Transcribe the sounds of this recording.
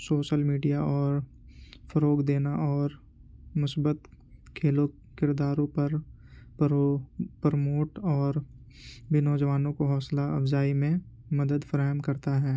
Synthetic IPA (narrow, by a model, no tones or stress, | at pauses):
soːʃəlmiːɖijaʔɔːɾ | fəɾoːɡd̪eːnaʔɔːɾ | mʊsbət̪ | kʰeːlo | kɪɾd̪aːɾõpɐɾ | pɾəmoːʈɔːɾ | binɔːd͡ʒəʋaːnõkoɦɔːslaɐfzaːimẽ | mɐd̪əd̪fəɾaːɦəmkɐɾt̪aɦɛː